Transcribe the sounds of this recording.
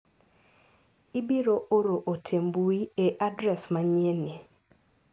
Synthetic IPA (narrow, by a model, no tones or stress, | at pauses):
ibiɾoʔoɾoʔotʰembuieʔadɾɛsmaɲene